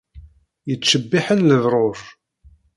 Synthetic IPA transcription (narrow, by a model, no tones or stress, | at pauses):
jət͡sːəbːɪħənləðɾˤoɾ